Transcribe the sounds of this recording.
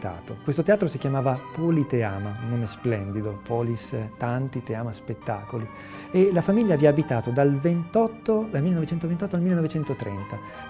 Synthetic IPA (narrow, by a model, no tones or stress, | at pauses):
t̪a̰ːt̪o̰kwest̪ot̪eaːt̪ɾosikjamaːvapolit̪eaːmaunːoːmesplɛnd̪id̪opɔlist̪ant̪it̪eaːmaspet̪ːa̰ːkoli | elafamiʎːaviaːbit̪aːt̪od̪alvent̪ɔt̪ːod̪almilːenɔvet͡ʃɛnt̪ovent̪ɔt̪ːoalmilːenovet͡ʃɛnt̪ot̪ɾɛ̰nt̪a